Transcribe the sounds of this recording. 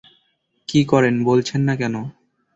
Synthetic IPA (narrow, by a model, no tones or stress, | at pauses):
kikɔɾenbolt͡ɕʰenːakɛno